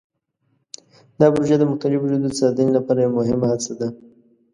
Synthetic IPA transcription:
d̪ɑbʊɾoʒad̪əmʊxt̪alɪbud͡ʒud̪əsɑd̪inilapɑɾajɛwmʊɦɪmahat͡sad̪a

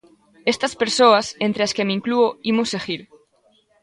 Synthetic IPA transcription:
est̪aspeɾsoasent̪ɾeaskemiŋkluoimuseɣiɾ

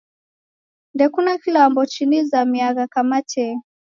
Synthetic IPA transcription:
ndɛkunakilambɔt͡ʃinizamiaɣakamat͡ʃɛ

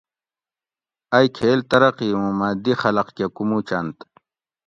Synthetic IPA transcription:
ajkʰeːlt̪ɐɾɐqiũmad̪ixɐlɐqkekumut͡ɕant̪

